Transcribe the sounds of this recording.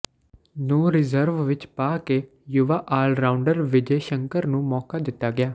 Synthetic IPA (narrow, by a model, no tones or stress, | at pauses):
nũːɾɪzəɾʋʋɪt͡ʃpaːkeː | jʊʋaːʔaːlɾaːʊɳɖəɾʋɪd͡ʒeːʃəŋkəɾnũːmɔːkaːd̪ɪt̪ːaːɡɪaː